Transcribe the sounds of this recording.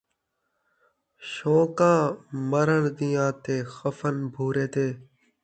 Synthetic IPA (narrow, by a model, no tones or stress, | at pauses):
ʃoːkãːməɾəɳd̪ɪjãːt̪eːxəfənbʱuːɾeːt̪eː